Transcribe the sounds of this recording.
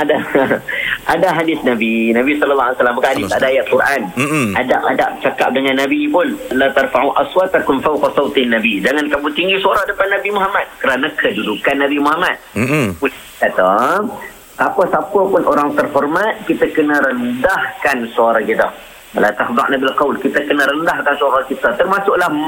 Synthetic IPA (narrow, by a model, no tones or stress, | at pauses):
ada | ʔadaɦadɪsnabinabisɔləlːaɦalijsalamːbakaʔhadɪsadaːjaʔ̪̚kurʔanadaʔadap̚t͡ʃakap̚dəŋanːabipʊnlat̪arfaʕuʔaswat̪akʊnfawqɑsawt̪nːabid͡ʒaŋankaput̪iŋɡisuaɾahdəpanːabimuɦamat̪̚kəɾanakʰədudukanːabimuɦamat̪̚pu | kat̪a | sapəsapəpʊnʔoɾaŋt̪ərhɔrmat̪̚kit̪əkənəɾəndahkansoaɾahkit̪ə | lat̪ahd̪ɑ̰ʔnabilqawlkit̪əkənəɾəndahkansoaɾahkit̪ət̪ərmasʊʔlah